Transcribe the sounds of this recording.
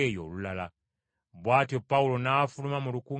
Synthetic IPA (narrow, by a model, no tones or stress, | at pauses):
ejo̞̰ːlulala | βwaːtjo̞paulo̞nafulumamuluku